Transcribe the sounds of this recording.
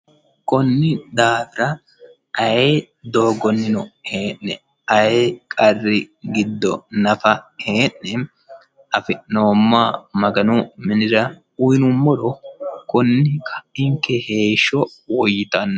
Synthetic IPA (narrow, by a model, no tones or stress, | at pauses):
kɔnːɪd̪aːfɪɾɐ | ʔɐje | d̪o̞ːɡɔnːɪnɔhe̞ːʔnɛ̰ | ɐjekʼɐrːɪɡɪd̪ːɔ̰nɐfɐheːnːɛ | ɐfɪʔno̞ːmːaːmɐɡɐnʊmɪnɪɾɐ | ʊjnʊmːɔɾɔkɔnːɪkʰɐ̥ɪŋkːɛheːʃːɔwɔjɪt̪ɐnː